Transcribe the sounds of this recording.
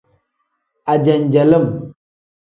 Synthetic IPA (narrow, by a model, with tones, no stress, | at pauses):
a˨d͡ʒɛ˨nd͡ʒɛ˨lə˦˨m